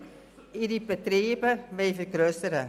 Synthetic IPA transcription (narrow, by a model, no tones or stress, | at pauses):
idibətreːbəmɛfərkrøːstəɾə̰